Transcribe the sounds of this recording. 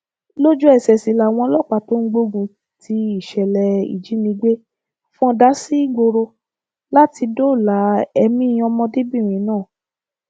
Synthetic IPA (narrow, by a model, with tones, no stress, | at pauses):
lo˦d͡ʒu˦ɛ˨sɛ˨si˨la˨w̃ɔ̃˧lɔ˦˨k͡pa˨to˦ŋ̩˦ɡ͡bo˧˦ɡũ˧ | tʰi˧˦i˦˨ʃɛ˨lɛ˨ḭ˨d͡ʒi˨˦nĩ˧ɡ͡be˦ | fũ˦ɔ̃˧da˨˦si˦i˦ɡ͡bo˧ɾo˧ | la˦ti˧do˦˨la˨˦ɛ˧mĩ˦˧˦ɔ˧mɔ̃˧di˦bĩ˦˨ɾ̃ĩ˨˦nãː˦˨